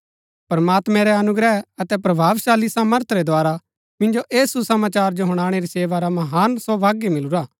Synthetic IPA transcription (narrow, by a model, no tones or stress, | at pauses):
pɾɐmaːt̪mɛ̃ɾɛɐnʊɡɾɛɐt̪ɛpɾɐbʱaːʋʃaːlisaːməɾt̪ʰɾɛd̪oaːɾa | mɪ̃nd͡ʒoʔeːsusɐmaːt͡ʃaːɾd͡ʒoɦʊɽ̃aːɽ̃eɾiseːʋaɾamɐɦaːnsɔːbʱaːɡimɪluɾaː